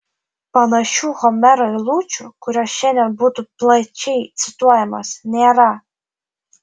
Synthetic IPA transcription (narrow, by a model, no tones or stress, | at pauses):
pɐnɐʃuhɔmɛɾɔlˠut͡ʃʊkʊɾʲɔʃɛnʲɐbut̪ʊplˠɐt͡ʃʲɛjt̪sʲɪt̪uɔjɛmɐsnʲɛɾa